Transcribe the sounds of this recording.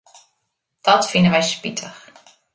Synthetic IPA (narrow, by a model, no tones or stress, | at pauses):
d̥ɔtfinəʋɛjspitʰəx